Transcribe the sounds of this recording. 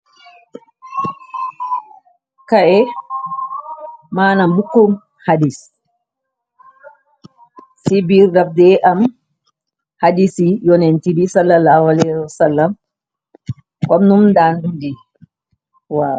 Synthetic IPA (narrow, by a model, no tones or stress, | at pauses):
kaʔɛ | manambukːum | hadis | sibiɾːaf̚dɛʔam | hadisijɔnɛntibisalːalːaːhualɛhwasalːam | kɔmnumndandundi | wa